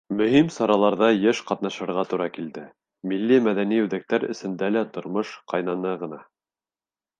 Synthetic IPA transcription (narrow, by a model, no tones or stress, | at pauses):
mɵ̆himsɑɾɑlˠɑɾðɑjɘʃqɑt̪nɑʃɤ̆ɾʁɑt̪uɾɑkild̪ɘ | milːimæðæniʉðæk̚t̪æɾɘ̰̆sɘ̆nd̪ælæt̪ŏɾmɤʃqɑjnɑnɤʁɤ̆nɑ